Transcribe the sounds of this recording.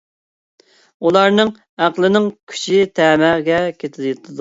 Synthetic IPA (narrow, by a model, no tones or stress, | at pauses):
ulˠɑɾnɨŋ | æqlˠɪnɪŋkʲʰy̥t͡ʃʰit̪ʰɛːmæʁɡʲɛkʲʰet̪ʰɪlt̪ʰɨd̪u